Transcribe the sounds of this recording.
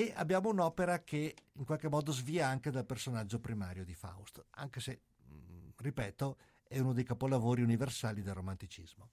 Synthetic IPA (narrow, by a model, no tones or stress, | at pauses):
ea̰bːjaːmounɔːpeɾakʰeiŋkwalkemːɔːd̪ozviːaaŋked̪alpersonad͡ʒːopɾimaːɾjod̪ifa̰ust̪a̰ŋkese | ripɛːt̪o | ɛunod̪ejkapolavoːɾiuniversaːlid̪elromant̪it͡ʃḭzmo